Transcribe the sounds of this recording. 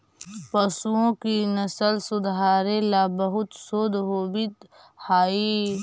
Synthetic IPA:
pɐsuõkinɐsəlsʊd̪ɦaːɾẽlabɐɦʊt̪soːd̪ɦoːbɪt̪ | haːi

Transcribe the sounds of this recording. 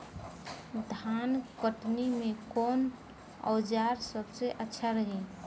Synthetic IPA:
d̪ʱankəʈnimekon | ə̰ːd͡ʒaɾsəbseʔətːʃʰaɾəɦi

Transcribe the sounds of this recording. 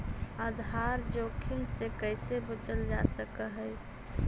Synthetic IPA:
əd̪ʱɦaːɾd͡ʒoːkʰɪmsekəɪsebət͡ʃəld͡ʒa̰səkəɦəɪ

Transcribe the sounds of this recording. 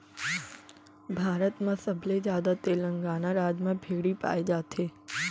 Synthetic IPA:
bʱaːɾət̪mãsəbʱled͡ʒjaːd̪at̪eːlə̃ŋɡaːnaɾaːd͡ʒmãbʱeːɡɽipa̰ːed͡ʒaːt̪ʰeː

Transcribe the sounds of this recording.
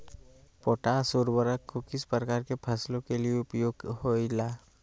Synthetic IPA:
poːʈasuɾbəɾəkːokɪspɾəkaːɾkepʰɐslõkelieʊpjoːɡɦoilaː

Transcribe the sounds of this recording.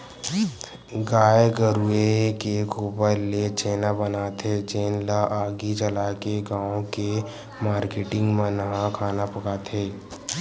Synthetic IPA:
ɡaːeɡəɾuekekuːpəɾlet͡ʃeːnabənaːt̪ɦeːt͡ʃeːnlaʔaːɡit͡ʃəlaːkeɡãːõke | maːɾkeːʈɪ̃ŋɡmanɐɦãkʰaːnapɐkaːt̪ɦeː

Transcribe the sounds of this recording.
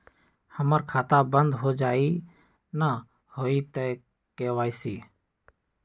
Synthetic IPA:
həməɾkʰaːt̪abənd̪ɦoːd͡ʒaːiː | na | hoːiːt̪eː | keːʋaːiːsiː

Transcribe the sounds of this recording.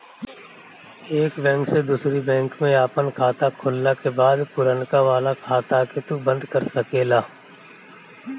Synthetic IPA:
eːkbɛ̃ːŋksed̪uːsɾibɛ̃ːŋkmẽaːpənkʰaːt̪akʰʊlːakebaːd̪pʊɾənkaʋaːlakʰaːt̪aket̪ubə̃nd̪kɐɾsɐkeːlaː

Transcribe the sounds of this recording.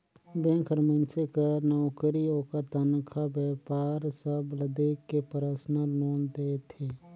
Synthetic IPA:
bẽkʰəɾmə̃nt͡ʃekəɾnɔːkɾiɦoːkəɾt̪ənkʰabɛːpaːɾsəbləd̪eːkːepəɾəsnanoːnd̪eːt̪ʰeː

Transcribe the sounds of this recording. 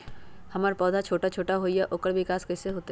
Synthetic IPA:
hɐmaːɾpɔːd̪ʱat͡ʃʰoːʈat͡ʃʰoːʈaɦoːijaʔoːkəɾʋɪkaːskɛːseɦoːt̪

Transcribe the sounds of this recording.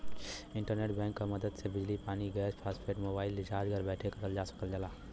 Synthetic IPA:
ɪ̃ɳʈəɾneːʈbɛ̃ːŋkːamɐd̪əd̪sebɪd͡ʒlipaːniɡɛːspʰaːspʰeːʈmoːbaːɪlːɪd͡ʒaːd͡ʒɡʱəɾbɛːʈʰekɐɾəld͡ʒaːsɐ̥kəld͡ʒəlaː

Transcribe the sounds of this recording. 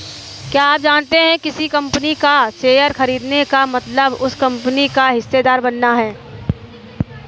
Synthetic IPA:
kjaːaːp̚d͡ʒaːnt̪eɦɛ̃kɪsikɐ̃mpənikaseːjəɾxɐɾiːd̪nekamɐt̪ləbʊskɐ̃mpnikaɦɪsːed̪aːɾbɐnːaɦɛː

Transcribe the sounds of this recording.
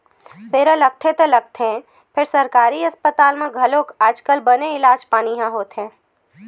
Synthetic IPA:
peːɾələɡ̚t̪ʰet̪olɐɡ̚t̪ʰɦɛ̃ | pʰɪɾsɐɾkaːɾiɐspət̪aːlmẽɡʱɐlõkaːd͡ʒkəlbɐneɪlaːd͡ʒpaːniɦãɦoːt̪ɦɛ̃ː

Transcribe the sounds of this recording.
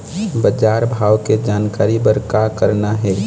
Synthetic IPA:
bəd͡ʒaːɾbʱaːwked͡ʒaːnkaːɾibəɾkakəɾnaɦɛ

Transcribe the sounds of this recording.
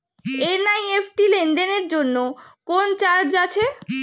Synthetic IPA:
enajepʰʈileɳɖeneɾd͡ʑonːokont͡ɕaɾɖd͡ʑat͡ɕʰe

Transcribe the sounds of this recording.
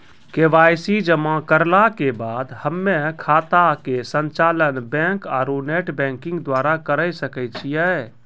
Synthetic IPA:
keʋajsid͡ʒəmakəɾlakebad̪həmːekʰat̪akesənt͡ʃalənbɛ̃ŋkaɾuneʈbɛ̃ŋkĩŋɡd̪waɾakəɾəjsəkɛt͡ʃʰijɛ

